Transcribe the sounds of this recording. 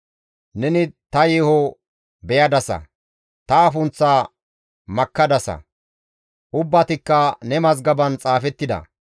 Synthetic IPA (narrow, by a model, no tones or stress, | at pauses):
nɛnɪt̪ɐjiːhɔ | bɛjɐd̪ɐsɐ̰ | t̪ɐːfʊnt͡sːa | mɐkːɐd̪ɐsɐ̰ | ʔʊbːɐt̪ɪkːɐnɛmɐzɡɐbɐnt͡sʼaːfɛt̪ːɪd̪ɐ̰